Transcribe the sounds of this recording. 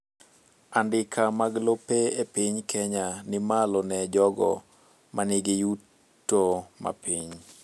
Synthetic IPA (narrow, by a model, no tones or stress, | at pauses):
andɪkʰamaɡlopeepiɲkʰɛɲanɪmalɔnɛd͡ʒɔɡɔ̰ | manɪɡɪju | tːoma̰piɲ